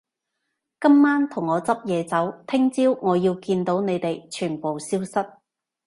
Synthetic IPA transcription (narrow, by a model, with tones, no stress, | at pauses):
kɐ˥mːaː˥nt̪ʰʊ˨˩ŋːɔː˨˧t͡sɐ˥p̚jɛː˨˧t͡sɐ˨˥wt̪ʰɪ˥ŋt͡siː˥wŋɔː˨˧jiː˧wkiː˧nt̪o˨˥wne˨˧jt̪e˨jt͡ʃʰyː˨˩npo˨wsiː˥wsɐ˥t̚